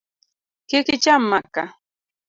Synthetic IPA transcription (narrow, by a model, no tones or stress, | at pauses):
kɪkɪt͡ʃamːaka